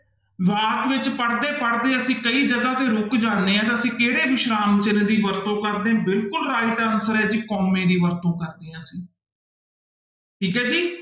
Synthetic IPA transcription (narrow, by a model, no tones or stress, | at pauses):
ʋaːt̪ʋɪt͡ʃpəɽd̪eːpəɽd̪eːəsĩːkəiːd͡ʒəɡaːt̪eːɾʊkd͡ʒãːnd̪eːãːt̪aəsĩːkeːɽeːʋɪʃɾaːmt͡ʃɪnːd̪iːʋəɾt̪õːkəɾd̪ẽːbɪlkʊlɾaːɪʈənsəɾɛːd͡ʒiːkɔːmẽːd̪iːʋəɾt̪õːkəɾd̪eːɦãːsĩː | ʈʰiːkɛːd͡ʒiː